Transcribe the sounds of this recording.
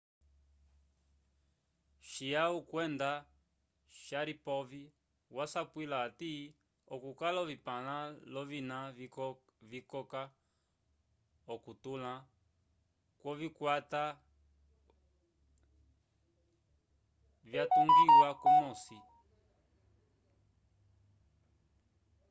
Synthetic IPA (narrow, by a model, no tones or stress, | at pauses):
ʃiaukwɛnda | ʃaɾipɔvi | wasapwilati | ɔkukalɔvipalalɔvina | vikɔka | ɔkutula | kwɔvikwata | vjatuŋɡiwwakɔmɔsi